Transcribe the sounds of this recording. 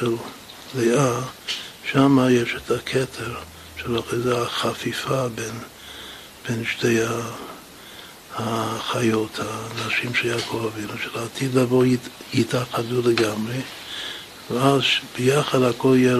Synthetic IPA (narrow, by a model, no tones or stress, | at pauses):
el | lea | ʃamajeʃetʰakʰɛtʰeʁ | ʃelaχazaaχafifaben | b̥enʃteja | haχajothanaʃimʃeljakʰovavinuʃelatʰid̪lavoitaqaduleɡamʁe | veazʃb̥əjaχadhakʰoljɛ